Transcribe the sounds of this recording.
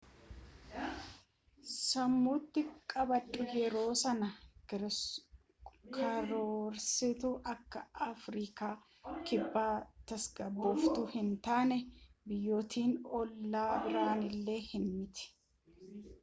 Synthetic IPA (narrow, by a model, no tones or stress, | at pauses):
sɐmːuːt̪ːɪkʼɐbɐtʼːʊjɛɾo̞ːsɐnɐ | kʰɐɾoːɾsɪt̪ʊʔɐkːɐɐfɾiːkaː | kɪbːaːt̪ɐsɡɐbːɔft̪ʊhɪnt̪aːnɛbɪjːo̞ːt̪ʰiːnɔlːaːbɪɾaːnɪlːe̞ːhɪnmɪt̪ɛ̥